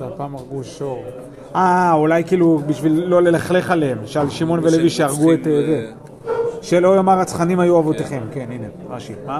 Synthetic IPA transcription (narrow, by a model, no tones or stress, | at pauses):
zeapaːmaʁɡuʃoʁ | aulajkiːlubiʃvilːo̞le̞laχle̞χalemʃealʃimo̞nveleviʃeaʁɡueteze | ʃelo̞jomaʁat͡sχanimhajuavot̪eχe̞mke̞nineʁaʃima